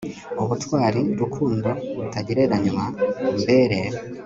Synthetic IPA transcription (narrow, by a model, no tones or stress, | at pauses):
uβutwaːɾiɾukʰuːndo̞βutaɟiɾe̞ɾaɲumambeɾeːɾo